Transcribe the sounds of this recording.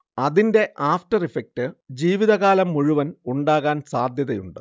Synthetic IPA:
ɐðinde̞ʔʔaːfʈɐrifek̚tɨd͡ʑiːʋiðɐɣaːlɐmːuɻuʋɐnuɳɖaːɣaːnsaːd̪ʱjɐðɐjuɳɖɨ

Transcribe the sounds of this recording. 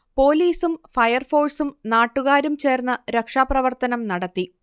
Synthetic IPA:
po̞ːliːsumfɐjɐrfo̞ːɭsumnaːʈːuɣaːɾumt͡ɕe̞ːrnːɐɾekʂaːprɐʋɐrt̪ɐnɐmnɐɽɐt̪ːi

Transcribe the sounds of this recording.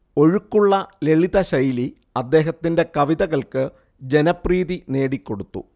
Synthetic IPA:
o̞ɻukːuɭːɐle̞ɭiðɐɕɐjli | ɐd̪ːe̞ːɦɐt̪ːinde̞kɐʋiðɐɣɐɭkɨ | d͡ʑe̞nɐpriːðine̞ːɽikːo̞ɽut̪ːṵ

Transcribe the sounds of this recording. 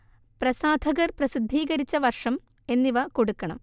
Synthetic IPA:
prɐsaːd̪ʱɐɣɐrprɐsid̪ʱːiːɣɐɾit͡ɕːɐʋɐrʂɐm | e̞nːiʋɐko̞ɽukːɐɳɐm

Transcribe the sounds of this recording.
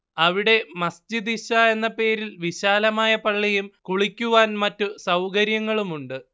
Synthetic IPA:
ɐʋiɽe̞mɐsd͡ʑid̪iɕɐe̞nːɐpe̞ːɾilʋiɕaːlɐmaːjɐpɐɭːijumkuɭikʲːuʋaːnmɐtːusɐwkɐɾjɐŋːɐɭumuɳɖɨ

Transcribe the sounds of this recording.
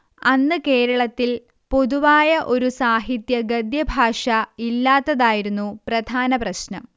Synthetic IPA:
ɐnːɨke̞ːɾɐɭɐt̪ːil | po̞ðuʋaːjɐʔo̞ɾusaːɦit̪jɐɡɐd̪jɐbʱaːʂɐilːaːt̪ːɐðaːjiɾunːuprɐd̪ʱaːnɐprɐɕnɐm

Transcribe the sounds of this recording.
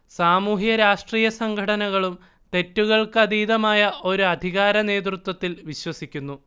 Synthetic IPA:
saːmuːɦijɐɾaːʂʈriːjɐsɐŋɡʱɐɽɐnɐɣɐɭum | t̪e̞tːuɣɐɭkɨɐd̪iːðɐmaːjɐʔo̞ɾuɐd̪ʱiɣaːɾɐne̞ːd̪rut̪wɐt̪ːilʋiɕwɐsikʲːunːu

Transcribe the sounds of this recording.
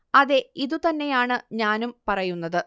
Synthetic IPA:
ɐðe̞iðut̪ɐnːe̞jaːɳɨɲaːnumpɐrɐjunːɐðɨ

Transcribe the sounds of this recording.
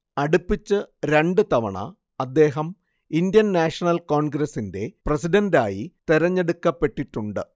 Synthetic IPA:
ɐɽupːit͡ɕːɨɾe̞ɳɖɨt̪ɐʋɐɳɐ̰ | ɐd̪ːe̞ːɦɐm | indjɐnnaːʂɐnɐlko̞ːɳɡɾɐsːinde̞prɐsidɐndaːjit̪iɾɐɲːeɽukːɐpːe̞ʈːiʈːuɳɖɨ

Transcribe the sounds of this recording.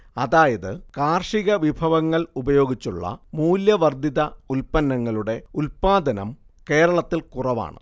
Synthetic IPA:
ɐðaːjɐðɨkaːrʂiɣɐʋibʱɐʋɐŋːɐɭubɐjo̞ːɡit͡ɕːuɭːɐ̰muːljɐʋɐrd̪ʱiðɐulpɐnːɐŋːɐɭuɽe̞ulpaːd̪ɐnɐ̰m | ke̞ːɾɐɭɐt̪ːilkurɐʋa̰ːɳɨ̰

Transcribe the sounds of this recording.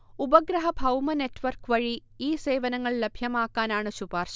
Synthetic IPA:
ubɐɡɾɐɦɐbʱɐwmɐnetːʋɐrkʋɐɻi | iːse̞ːʋɐnɐŋːɐɭlɐbʱjɐmaːkːaːnaːɳɨɕubaːrʂɐ

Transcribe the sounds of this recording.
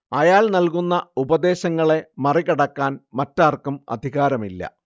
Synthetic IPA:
ɐjaːlnɐlkunːɐubɐd̪e̞ːɕɐŋːɐɭe̞mɐrikɐɽɐkːaːnmɐtːaːrkumɐ̰d̪ʱiɣaːɾɐmilːɐ̰

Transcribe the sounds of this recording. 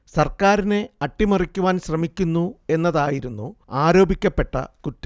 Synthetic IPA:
sɐrkaːɾine̞ɐʈːimɐrikʲːuʋaːnɕrɐmikʲːunːue̞nːɐðaːjiɾunːuaːɾo̞ːbikʲːɐpːe̞ʈːɐ̰kutːɨ̥

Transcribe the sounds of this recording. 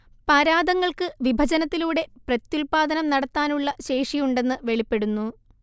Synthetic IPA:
pɐɾaːd̪ɐŋːɐɭkɨʋibʱɐd͡ʑɐnɐt̪ːiluːɽe̞prɐt̪julpaːd̪ɐnɐmnɐɽɐt̪ːaːnuɭːɐɕe̞ːʂijuɳɖe̞nːɨʋe̞ɭipːe̞ɽunːu

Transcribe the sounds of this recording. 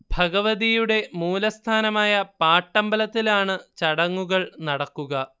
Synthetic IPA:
bʱɐɡɐʋɐðijuɽe̞muːlɐst̪ʰaːnɐmaːjɐpaːʈːɐmbɐlɐt̪ːilaːɳɨt͡ɕɐɽɐŋːuɣɐɭnɐɽɐkːuɣɐ

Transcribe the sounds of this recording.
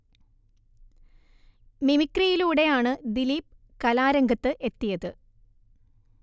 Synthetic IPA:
mimikːrijiluːɽe̞jaːɳɨd̪iliːp̚ | kɐlaːɾɐŋɡɐt̪ːɨʔe̞t̪ːijɐðɨ

